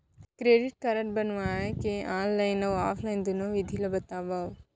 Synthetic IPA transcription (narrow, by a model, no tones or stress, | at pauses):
kɾeːɖiʈ̚kɐɾəʈ̚bɐnʋaːekeãːllɐnɐʋaːfʰlɐjnd̪unoʋid̪ʱilɐbɐt̪aːbaː